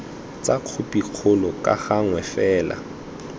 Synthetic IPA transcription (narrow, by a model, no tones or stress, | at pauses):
t͡sʼaq͡χʰʊpʼiq͡χʰʊlɔkʼa̰ɣaŋwɛfɛːla̰